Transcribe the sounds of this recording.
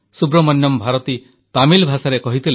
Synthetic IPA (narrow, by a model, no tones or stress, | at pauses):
subɾɔmɔnjɔmbʱaɾɔt̪i | t̪amilbʱasaɾekɔɦit̪ʰile